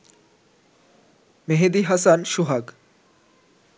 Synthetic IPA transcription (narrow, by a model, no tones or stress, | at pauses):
meɦed̪iɦɐsanʃuɦaɡ